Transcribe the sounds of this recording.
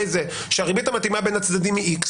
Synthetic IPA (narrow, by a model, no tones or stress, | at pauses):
jze | ʃeaʁibit̪amat̪imabe̞nat͡sd̪ad̪imːiiks